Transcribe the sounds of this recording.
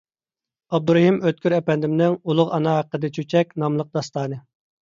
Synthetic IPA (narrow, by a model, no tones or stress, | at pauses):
ɑb̚d̪uɾɛɦimøt̪̚kʲyɾɛpɛnd̪ɪmnɪŋulˠʊʁɑnɑɦæqːəd̪ɛt͡ʃʰyt͡ʃʰɛkʲnɑmlˠəq̚d̪ɑst̪ɑːnɨ